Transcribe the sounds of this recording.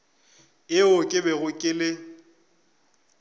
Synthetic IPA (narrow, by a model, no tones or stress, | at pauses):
ɪʊkʼɪbɛɣʊkʼɪlɪ